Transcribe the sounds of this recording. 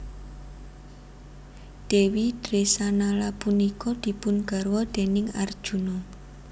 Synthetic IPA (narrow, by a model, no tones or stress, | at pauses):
d̪̥ewid̪̥ɾesanalapunikɔd̪̥i̤pʊnɡ̥a̤ɾwɔd̪̥e̤nɪŋard̥ʒ̥ṳnɔ